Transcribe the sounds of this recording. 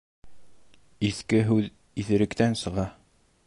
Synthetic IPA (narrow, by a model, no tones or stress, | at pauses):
iθkɘɦʉð | iθɘ̆ɾɘ̆kt̪ænsɤ̆ʁɑ